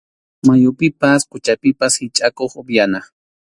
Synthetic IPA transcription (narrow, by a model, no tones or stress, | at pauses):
majʊpɪpaskʊt͡ʃapɪpashɪt͡ʃʼakoχʊbjana